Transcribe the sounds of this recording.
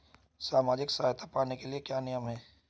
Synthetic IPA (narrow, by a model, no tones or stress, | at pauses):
saːmaːd͡ʒɪksaːjt̪ʰapaːnekeliekjaːnɪjəmɦɛː